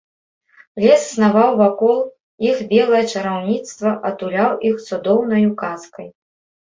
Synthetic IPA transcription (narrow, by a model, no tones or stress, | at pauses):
lʲɛssnavawvakɔlˠ | ixbʲɛlˠɐjɐt͡ʂɐɾawnʲit̪st̪vɐʔɐt̪ulʲawʔixt̪sud̪ɔwnɐjukaskɐj